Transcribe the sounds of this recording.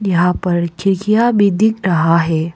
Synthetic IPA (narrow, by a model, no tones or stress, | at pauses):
jɐɦãpɐɾkʰɪɾkijabid̪ɪkɾɐɦaɦɛː